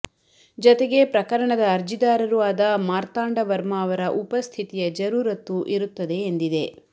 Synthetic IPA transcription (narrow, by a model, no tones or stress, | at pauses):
d͡ʒɔt̪eɡe̞pɾɐkɐɾɐɳɐd̪ɐːɾd͡ʒid̪aːɾɐɾuaːd̪ɐmaːɾt̪aːɳɖɐʋɐɾmaːʋɐɾɐʔupɐst̪ʰit̪ijɐd͡ʒɐɾuːɾɐt̪ːuʔiɾut̪ːɐd̪e̞ːnd̪id̪e̞